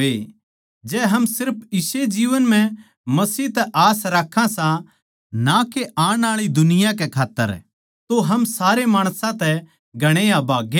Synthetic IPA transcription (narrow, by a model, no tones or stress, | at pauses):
e | d͡ʒɛːɦɐmsɪɾpʰɪsed͡ʒiːʋənm̤ɛ̃ | mɐsiːt̪ɛʔaːsɾakʰːãsã | nakeʔaːɽ̃aːɭid̪ʊnɪjak̬ekʰaːt̪ːə̰ɾ | t̪oɦɐmsaːɾemaːɽ̃sãt̪ɛ | ɡʱɐɽ̃eãbaːɡẽ